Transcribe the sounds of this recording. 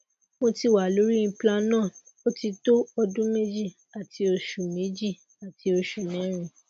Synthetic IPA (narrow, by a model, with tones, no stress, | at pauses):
mo˧ti˧wa˨lo˨˦ɾi˦ĩ˧˦pla˧nã˦˨ | o˦ti˧to˦ɔ˧dũ˦me˦d͡ʒi˦˨ | a˨tʰi˧o˧ʃu˨mĩ˨˦d͡ʒi˦˨ | a˨tʰi˧o˧ʃu˨nɛ̃˨˦ɾ̃ĩ˧˨